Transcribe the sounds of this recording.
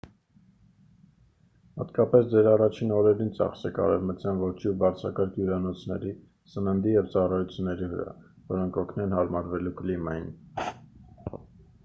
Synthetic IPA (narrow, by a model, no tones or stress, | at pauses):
hɑ̰t̪kɑpɛsd͡zɛɾɑrɑt͡ʃʰinɔɾɛɾint͡sɑ̰χsɛkɑ̰ɾɛvmət͡sjɑnvɔt͡ʃʰubɑɾt͡sʰɾɑkɑɾkʰjuɾɑnɔt͡sʰnɛ̰ɾi | sənənd̪ijɛvt͡sɑrɑjut͡sʰjunːɛɾivə̰ɾɑ̰ | vɔɾɔŋkʰɔkʰnɛnɦɑɾmɑɾvɛlukəlimɛjn